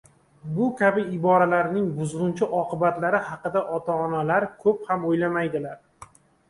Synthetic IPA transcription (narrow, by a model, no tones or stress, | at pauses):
bʊkʲʰabɪɪbɒɾalaɾnɪŋbʊzʁʊnt͡ʃʰɪʔɒqʰɨbat̪laɾɪhɑqɨd̪aʔɒt̪ʰaːnalaɾkʰɵphamojlamajd̪ɪlaɾ